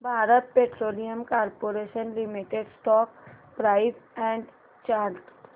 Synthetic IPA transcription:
bʱaːɾət̪̚peːʈɾoːlijəmkaːɾpoːɾeːʃənlɪmiʈeɖsʈɔːk̚pɾaːɪzɛ̃ːɳɖ | t͡ʃaːɾʈ

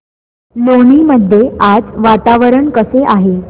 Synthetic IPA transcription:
loɳ̃iːməd̪ʱːjead͡zʋat̪aʋəɾəɳkəseʔaɦe

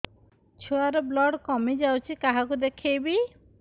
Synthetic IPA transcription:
t͡ɕʰoaɾoblɔɽkɔmed͡ʑawt͡ʃʰikaɦakud̪ekʰːejbi

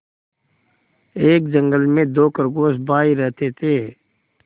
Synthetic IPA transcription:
eːkd͡ʒə̃ŋɡəlmẽd̪oːkəɾɡoːsbaːiɾɛɦt̪eːt̪ʰeː

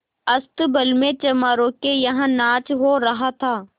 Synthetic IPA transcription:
ɐst̪bɐlmẽt͡ʃɐmaːɾõkejɐɦãnaːt͡ʃɦoɾɐɦat̪ʰaː

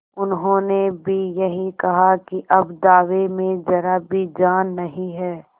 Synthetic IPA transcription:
ʊnɦõːnebʱijɐɦĩkɐɦakiʔɐbd̪aːʋemẽd͡ʒɐɾabʱid͡ʒaːnːɐɦĩɦɛː

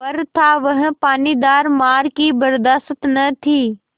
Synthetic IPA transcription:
pɐɾt̪ʰaʋɐɦɪ̃̆paːnid̪aːɾmaːɾkibɐɾd̪aːst̪nɐt̪ʰiː

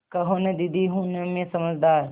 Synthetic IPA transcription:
kɐɦoned̪ɪd̪iɦũnemẽsɐməd͡ʒd̪aːɾ

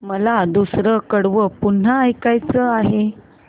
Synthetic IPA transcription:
məlad̪usɾəkəɽʋəpun̤aːjkajt͡səaɦe

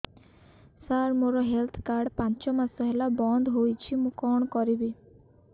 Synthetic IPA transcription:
saɾmoɾɔɦelt̪ʰkaɾɖpãnt͡ʃɔmasɔɦelabɔnd̪ʱɦojt͡ʃʰimũkɔɳ̃ɔkɔɾibi

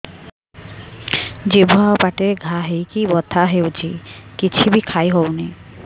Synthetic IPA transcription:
d͡ʑebʱoɦawpaʈeɾɡʱaɦejkibɔt̪ʰːaɦewd͡ʑikit͡ɕʰibikʰajɦɔwni

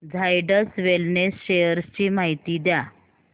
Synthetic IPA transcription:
d͡zʱajɖəsʋelnesɕejəɾst͡ɕiːmaɦit̪iːd̪ja

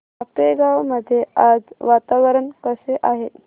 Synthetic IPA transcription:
apeɡawməd̪ʱːjead͡zʋat̪aʋəɾəɳkəseʔaɦet

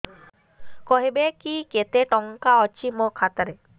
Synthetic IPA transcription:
kɔɦibekiket̪eʈɔŋkaɔt͡ɕimokʰat̪aɾe

